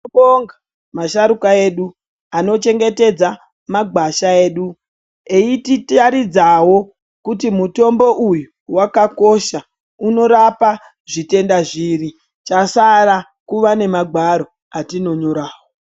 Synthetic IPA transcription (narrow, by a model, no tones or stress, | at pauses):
oŋɡa | maʃaɾukae̞ɗu | ano̞t͡ʃe̞ŋɡe̞te̞d͡za | maɡʱwaʃae̞ːɗu | eititaɾid͡zawo̞ | kut̬imuto̞mbo̞ʔuju | wakako̞ʃa | uno̞ɾapa | ʐite̞ndaʐiɾi | t͡ʃasaɾa | kuʋane̞maɡʱwaɾo̞ | atino̞ɲo̞ɾaːwo